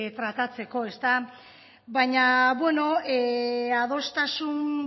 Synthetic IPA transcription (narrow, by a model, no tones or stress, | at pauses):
t̪ɾat̪at͡se̞ko̞e̞st̪a | bajɲaβwe̞no̞eað̞o̞st̪asun